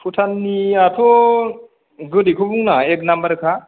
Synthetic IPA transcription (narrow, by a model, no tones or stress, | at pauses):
pʰutʰanːiatʰo | ɡɯdikʰubuŋnaeknambəɾkʰa